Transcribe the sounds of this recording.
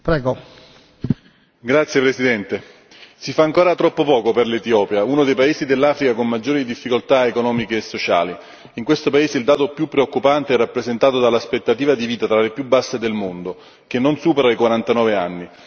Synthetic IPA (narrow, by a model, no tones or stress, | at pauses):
pɾɛːɡo | ɡɾat̪sːjepɾesid̪ɛnt̪e | sifaːŋkoːɾat̪ɾɔpːopɔːkoperlet̪iɔːpjaunod̪ejpaeːzid̪elːaːfɾikakonmad͡ʒːoːɾid̪ifːikolt̪aekonɔːmikeːsːot͡ʃa̰ːli | iŋkwest̪opaeːzeild̪aːt̪opjupːɾeokːupant̪eɛrːapːɾezent̪aːt̪od̪alaspet̪ːat̪iːvad̪iviːt̪at̪ɾalepjubːasːed̪elmond̪o | k̟enːonsuːpeɾaikwaɾant̪anɔːveanːi